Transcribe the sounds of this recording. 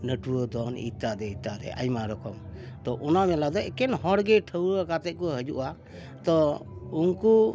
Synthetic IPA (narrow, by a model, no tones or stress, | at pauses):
nəʈuwəd̪ɔnḭt̪ad̪ɛit̪ad̪ɛ̰ʔa̰jmaɾɔkɔmt̪ɔʔɔnamɛlad̪ɔɛkɛnɦɔɾɡɛʈʰəwɾəkat̪ɛt̪̚kɔɦəd͡ʒuʔa | t̪ɔuŋku